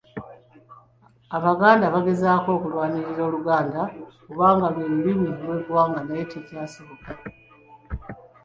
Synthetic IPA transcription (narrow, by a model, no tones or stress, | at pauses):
aβaɡaːndaβaɡe̞zaːko̞ːkulwaːɲiɾiɾo̞ːluɡaːndakuβaːŋɡaβweluβiβwilwe̞ːkuwaːŋɡanaetʰacaːsoβoka